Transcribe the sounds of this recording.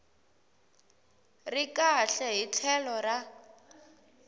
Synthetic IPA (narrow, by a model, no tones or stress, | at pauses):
rikaɬɛɦit͡ɬʰɛlɔra